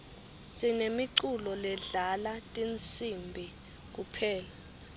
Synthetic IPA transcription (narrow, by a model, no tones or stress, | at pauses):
sinemiǀulɔlɛɮalatʼint͡sʰʼimbʱi | k̬upʰɛːla